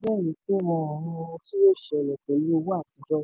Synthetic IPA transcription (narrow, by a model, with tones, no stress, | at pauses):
bɛ˦˨nĩ˨˦k͡pe˦wɔ̃˧ɔ̃˨ɾũ˧o˧ũ˧ti˦jo˦ʃɛ˧˨ɛ˨k͡pɛ˨li˦o˧wu˦a˦˨ti˨˧˦d͡ʒɔ˦